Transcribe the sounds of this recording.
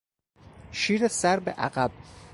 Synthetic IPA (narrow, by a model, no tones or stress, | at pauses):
ʃiːɾesæɾbeʔæ̰ɢæb̥̚